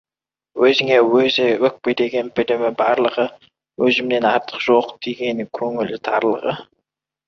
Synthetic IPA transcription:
wɵzɪŋe̞wɵzɪwɵk̚pejd̪eɡʲe̞npɪlɪmɪbɑɾlˠəʁə | wɵzɪmne̞nɑɾt̪ʰə̥qʒ̥oqd̪̥eɡʲe̞nɪŋkʲʰɵŋɪlɪt̪ʰɑ̰ɾlˠə̰ʁə

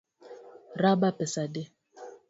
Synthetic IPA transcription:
rabapɛsade

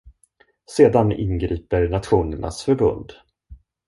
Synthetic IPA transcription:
seːd̪anɪ̰nɡɾiːpəɾnat̪ɧuːnəɳa̰sfœɾbɵ̰nd̪

